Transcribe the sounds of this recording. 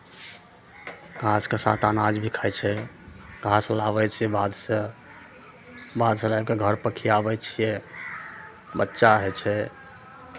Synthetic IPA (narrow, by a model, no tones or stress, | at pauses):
ɡʱaskesa̰t̪anad͡ʒbʱikʰajt͡ʃʰɛ | ɡʱaslabɛt͡ʃʰijɛbad̪se | bad̪selajb̚keɡʱəɾpəkʰiabɛt͡ʃʰijɛ | bətːʃaɦɛt͡ʃʰɛ